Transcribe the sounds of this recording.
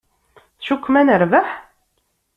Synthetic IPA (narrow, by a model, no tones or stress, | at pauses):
θʃukʷːmænəɾvaħ